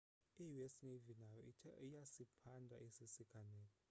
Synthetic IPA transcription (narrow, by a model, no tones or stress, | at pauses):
ijuɛsnevinajɔiijasipʰandʱa̰ʔisisikʰanɛːnɔ